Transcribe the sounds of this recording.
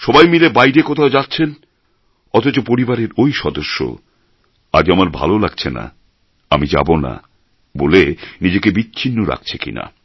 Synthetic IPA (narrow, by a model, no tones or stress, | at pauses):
ʃɔbajmilebajɾekot̪ʰaod͡ʑatːɕʰen | ɔt̪ot͡ɕopoɾibaɾeɾojʃɔd̪oʃːo̰ | a̰d͡ʑamaɾbʱa̰lolaɡ̚t͡ɕʰena̰ | amid͡ʑa̰bona̰ | bolenid͡ʑekebitːɕʰinːoɾa̰k̚t͡ɕʰe̥kḭna̰